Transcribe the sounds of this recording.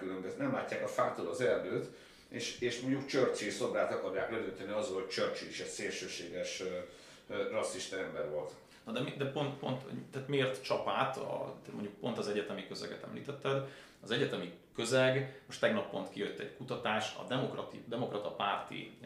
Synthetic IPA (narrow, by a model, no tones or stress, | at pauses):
ylømbøznɛmlaːcːaːkɒfaːt̪oːlɒzɛrd̪øːt̪ | eːʃeːʃmo̞ɲɟukt͡ʃørt͡ʃiso̞bɾaːt̪ɒkɒrjaːklɛd̪ønt̪ɛniɒzɒlho̞c̚t͡ʃørt͡ʃiiʃɛtseːlʃøːʃeːɡɛʃ | rɒsːiʃt̪ɐɛmbɛɾvo̞lt̪ | nɒd̪ɛmid̪ɛpo̞nt̪po̞̰nt̪t̪aːt̪meːrt̪t͡ʃɒpaːt̪ɒ̰t̪ɛmo̰ɲɟuk̚po̞nt̪ɒzɛɟɛt̪ɛmikøzɛ̰ɡɛt̪ɛ̰mlḭːt̪ɛt̪ːɛd̪ | ɒzɛɟɛt̪ɛmi | kø̞zɛɡmo̞ʃt̪ɛɡnɒpːo̞nt̪kijøt̪ːɛ̰ɟkut̪ɒt̪aːʃɒ̰d̪ɛmokrɒt̪id̪ɛmo̞krɒt̪ɒpaːrt̪ḭ